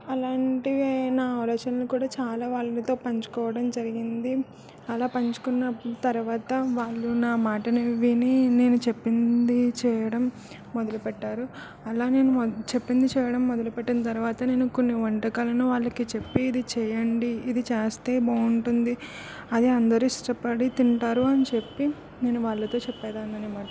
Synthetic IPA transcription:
ɐlaːɳʈiʋɐnaːaːʋlɔːt͡ʃɐnɐlukuːɽaːt͡ʃaːlaːʋaːɭːɐnit̪o̞ːpɐɲt͡ʃu̥kɔːʋɐɽɐmd͡ʒɐɾiɡind̪i | ɐlaːpɐɲt͡ʃu̥kunːɐt̪ɐɾuʋaːt̪ɐʋaːɭːunaːmaːʈɐnɐʋinine̞ːnut͡ʃepːind̪it͡ʃɛːjɐɽɐmː | ɔd̪ɐlupɛʈːaːɾu | ɐlaːne̞ːnumt͡ʃepːind̪it͡ʃɛːjɐɽɐmːɔd̪ɐlupɛʈːinɐt̪ɐɾuʋaːt̪ɐne̞ːnukonːiʋɐɳʈɐkaːlɐnuʋaːɭːɐkit͡ʃepːiːd̪it͡ʃɛːjɐɳɖiːd̪it͡ʃɛːst̪e̞ːbɐːuɳʈund̪i | ɐd̪iɐnd̪ɐɾisʈɐpɐɽit̪iɳʈaːɾuɐnit͡ʃe̞pːi | ne̞ːnuʋaːɭːɐt̪o̞ːt͡ʃɛpːɛːd̪aːnɐnimaːʈ

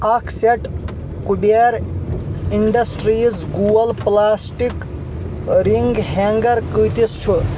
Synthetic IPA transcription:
akʰseʈ | kubeɾ | iɳɖɐsʈɾizɡuəlplaːsʈik | ɾiŋɡɦeŋɡɐɾkəːt̪ist͡ʃʰu

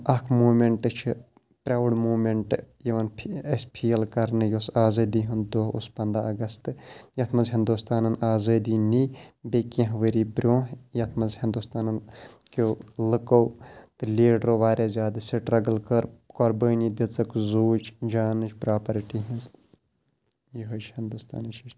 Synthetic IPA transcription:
ɐkʰmuːmeɳʈɨt͡ʃʰ | pɾaːʋɽmuːmeɳʈjeʋɐnpʰespʰiːjɐlkɐɾnɨjosaːzɐːd̪iɦund̪oːɦṵspɐnd̪aɐɡɐst̪ɨjɐt̪ʰmɐzɦĩnd̪ust̪aːnɐnaːzɐːd̪iːniːbeːkẽɦʋəɾiːbɾʲõːɦjɐt̪ʰmɐzhɪ̃nd̪ust̪aːnɐnkoːlɨkowt̪ɨlʲeːɖɾoːʋaːɾazʲjaːd̪ɨseʈɾɐɡɐlkɐɾkɔɾbəːnid̪et͡sɐkzuːt͡ʃʰd͡ʒaːnɨt͡ʃʰpɾaːpɐɾʈiːɦĩnz | jiɦɐt͡ʃʰhɪnd̪ust̪a̰ːnɐʃiʃ

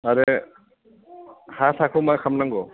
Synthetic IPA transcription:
aɾe | hasʰakʰumajkʰamnaŋɡɔ

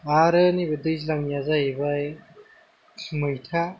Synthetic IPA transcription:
aɾɯnibedɯjzlaŋjazaebaj | mɯjtʰa

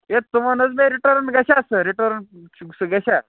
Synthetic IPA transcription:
et̪ːumanət͡sbeɾiʈəɾnɡɛɕasəɾiʈəɾnuɡsəɡɛɕa

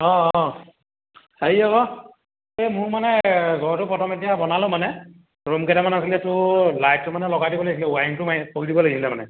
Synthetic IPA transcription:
ɔ | heiɔɔ | emʊɹmanɛɡɔɹɔtʊpɔtʰɔmetijabɔnalʊ̃manɛ | ɹomkɛdamanas̬ilɛtʊlajt̚tːʊmanɛlɔɡadibɔloɡis̬ilɛuajmtʊmapoɹidibɔlaɡisilɛmanɛ̰

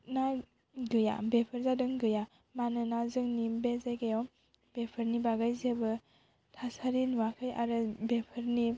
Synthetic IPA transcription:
na | ɡɯja̰bepʰɯɾzadɯŋɡɯja | manɯnazɯŋnimbezajɡajɔ | b̥epʰɯɾnibaɡajzebɯ | tʰasaɾinuwakʰɯja̰ɾɯbepʰɯɾni

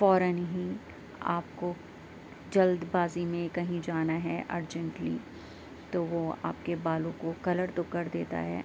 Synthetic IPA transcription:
fɔːɾənɦĩ | a̰ːpko | d͡ʒɐld̪baːzimẽkɐɦĩd͡ʒaːnaɦɛʔɐ̰ɾd͡ʒə̃ɳʈlḭ | t̪oʋoa̰ːpkebaːlõkokɐləɾt̪okɐɾd̪eːt̪a̰ɦɛ̰ː

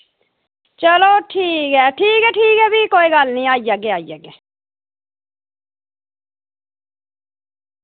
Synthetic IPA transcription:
t͡ʃəloːʈʰiːkɦɛːʈʰiːkɦɛːʈʰiːkɦɛːbʱiːkoːiːɡəlnĩːaːid͡ʒaːɡeːaːid͡ʒaːɡɛː

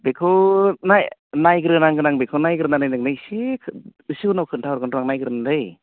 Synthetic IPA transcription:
bekʰɯnajnajɡɾɯnaŋɡɯnaŋbekʰɯnajɡɾɯnanɯjnɯŋnɯjsikʰɯsɯunɔwkʰɯntʰawɾkɡɯndɔaŋnajɡɯɾɯnadɯj

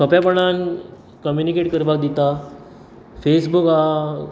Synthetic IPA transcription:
sɔpjapəɳan | kəmjunikeʈkəɾbʱak̚d̪it̪a | fesbuka

